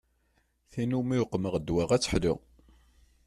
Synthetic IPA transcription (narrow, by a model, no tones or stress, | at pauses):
θinumijʊqːməʁd̪ːwaʁæt͡sːə̥ħlʊ̰